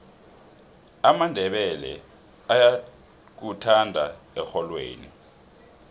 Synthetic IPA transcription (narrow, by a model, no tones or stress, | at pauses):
amandʱɛɓɛlɛ̰ | aja | k̬utʰandʱa̰ɛxɔlwḛːni